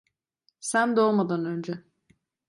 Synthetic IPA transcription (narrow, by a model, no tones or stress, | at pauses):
sænd̪o̞lˠmad̪anø̞nd͡ʒɛ